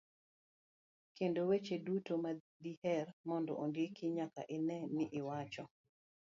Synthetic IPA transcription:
kendowet͡ʃedutoma | d̪ihɛrmɔndɔʔondekɪɲaka̰ʔɪnɛnɪʔɪwat͡ʃɔ

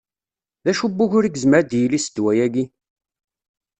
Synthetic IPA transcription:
ðæʃubːuçʊɾiɡzməɾd̪jilisəd̪wæjæɡi

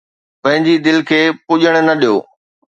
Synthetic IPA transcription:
pɐ̃ɦɪ̃ɲd͡ʑid̪ɪlkʰeːpʊʄəɽ̃nɐɗijo̰ː

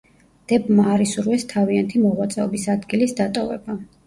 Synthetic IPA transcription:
d̪̥ɛbmaːɾisuɾvɛst̪ʰaviant̪ʰimɔʁwat̪sʼɛɔbisad̪ɡilisd̪at̪ʼɔvɛ̰ba

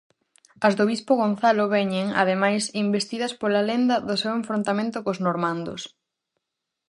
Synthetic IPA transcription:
ɐzðoβispoɣ̞on̟θalʊβɛɲeŋɐ̰ðemajsimbest̪iðɐspolalend̪ɐðʊsewẽɱfɾõnt̪amẽnt̪ʊkoznoɾmãnd̪ʊ̰s

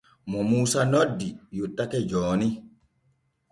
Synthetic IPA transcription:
mɔmuːsanodːijutːakɛd͡ʒɔːni

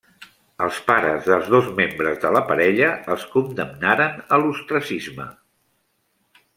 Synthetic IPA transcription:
əlˠspaɾəzðəlˠzðozmembɾəzðələpəɾɛʎəəlˠskund̪əmnaɾənəlust̪ɾəsizmə̰

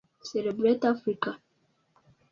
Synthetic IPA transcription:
sɛlebɾetafɾika

